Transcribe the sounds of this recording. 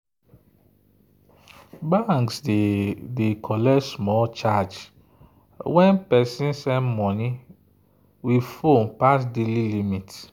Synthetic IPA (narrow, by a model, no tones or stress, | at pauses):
baŋks | dekʰɔlɛsmɔlt͡ʃad͡ʒ | wɛ̃npɛsĩnsɛ̃nmɔnĩ | wifompas̬delilimit